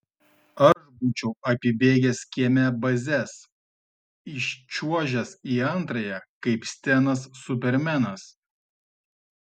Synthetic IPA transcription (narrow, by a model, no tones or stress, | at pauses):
ɐʒbuːt͡ʃʲɛʊʔɐpʲɪbʲeːɡʲɛsʲkʲiɛmʲɛbɐzʲɛs | ɪʃʲt͡ʃʲuɔʒʲɛsiːɐnˑt̪ɾɐjɛkɐɪpsʲt̪ʲɛnɐsːʊpʲɛɾʲmʲɛnɐs